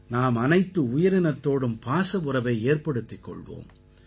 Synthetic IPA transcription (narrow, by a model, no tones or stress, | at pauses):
naːmɐnɐɪt̪ːɯʊjɐɾɪnɐt̪ːoːɽɯmpaːsɐʋɯɾɐʋɐɪeːrpɐɽɯt̪ːɪkːɔ̰ɭʋo̰ːm